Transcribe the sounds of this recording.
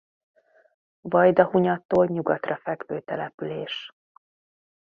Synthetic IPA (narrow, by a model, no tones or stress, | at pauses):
vɒjd̪ɒhuɲɒt̪ːoːlɲuɡɒt̪rɒfɛɡʋøːt̪ɛlɛpyleːʃ